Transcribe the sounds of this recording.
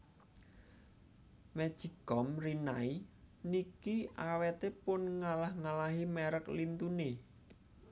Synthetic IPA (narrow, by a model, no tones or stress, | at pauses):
mɛd̥ʒ̥iɡ̥ɔmrinainikiʔawet̪epʊnŋalahŋalaɦimɛɾəklint̪une